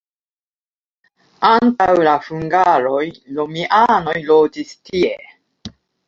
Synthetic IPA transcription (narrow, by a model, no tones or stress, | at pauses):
antawlafuŋɡaɾojlomiʔano̞jlod͡ʒistie